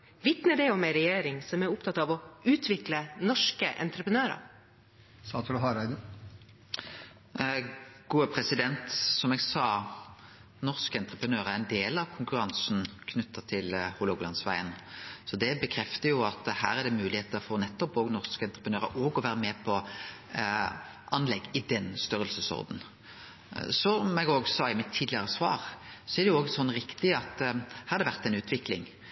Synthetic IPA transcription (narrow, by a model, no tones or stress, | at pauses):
ʋɪt̪nəd̪ɛɔmɛɪɾɛjeːɾɪŋsɔmæɾʊpt̪ʰɑt̪ɑʋɔʉːt̪ʰʋɪklənɔʂkəʔɛ̰nt̪ɾəpənøːɾɑ̰ | sɑːt̪ʰləɦɑɾæɪd̪ə | ɡ̥uːəpʰʁɛsɪd̪ɛnt̪sɔmɛɡsɑː | nɔʁskəɛnt̪ʁəpənøːʁæɛɪnd̪eːlɑʋkʰʊŋkʉʁɑŋsn̩kʰnʉt̪ʰːəʁt̪ʰɪlhʊloɡlɑnsʋæɪənsɔd̪ɛbəkʰɾɛft̪əjʊɑt̪hæːɾæd̪ɛmʉːlɪheːt̪əfɔʁnɛt̪ːɔpoːɡnɔʁskəɛnt̪ɾəpənøːɾəʔoːɡɔʋæːɾəmɛːpʰɔ | ʔɑnlɛɡːɪd̪ɛnst̪œɾəlsəsɔ̰ʁd̪n̩ | sɔɛɡoːɡsɑːɪmɛt̪ʰːiːd̪lɪəɾəsʋɑ̰ːʁsɔɛɾd̪ɛjʊoːɡɛsɔnːɾɪkt̪ɪɑt̪hɑʁd̪ɛʋæʁt̪ænʉːt̪ʰʋɪklɪ̰ŋ